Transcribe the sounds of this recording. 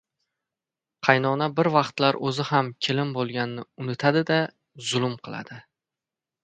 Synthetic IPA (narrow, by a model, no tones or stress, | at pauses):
qʰɑjnɒnabɪɾvɑqt̪laɾɵzɪhamkʲʰelɪmbolˠɡʲanːɪʊnɪt̪ʰad̪ɪd̪a | zʊlˠʊmqʰɨlˠa̰d̪̥ɪ